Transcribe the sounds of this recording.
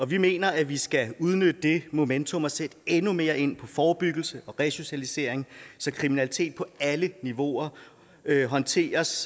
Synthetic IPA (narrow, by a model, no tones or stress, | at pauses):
ɒ̽ʋime̝̰ːnɐæʋisɡ̥æuð̞ˠnød̥əd̥e̝mo̝ment͡sʰo̽mɒ̽sed̥enume̝ːɐe̝n̰pʰɒ̽fɒːb̥yɡ̥l̩səʔɒ̽ʁɛɕo̝ɕælise̝̰ɐ̰eŋsɒ̽kʰʁiminælit͡sʰe̝̰ːd̥̚pʰɒ̽æləniʋo̝ɐ | øɦɒ̽nt͡sʰe̝̰ːɐs